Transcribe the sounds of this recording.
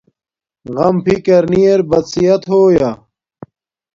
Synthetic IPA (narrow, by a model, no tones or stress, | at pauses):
ɣɐmpʰikɐɾnijeɾbɐt̪sijɐt̪ɦoːjɐ